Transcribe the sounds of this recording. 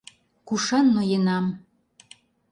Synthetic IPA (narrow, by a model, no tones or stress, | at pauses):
kuʃɑnːojenɑm